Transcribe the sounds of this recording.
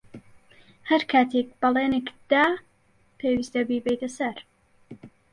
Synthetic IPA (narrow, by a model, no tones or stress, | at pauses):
hɐɾkʰaːt̪ʰek̚bɐleːnekd̪̥aː | pʰeːwist̪ɐbibɛjt̪ɐsɐɾ